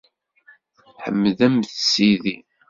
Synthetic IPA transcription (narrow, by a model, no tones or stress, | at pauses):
ħə̰mːðæmθsiði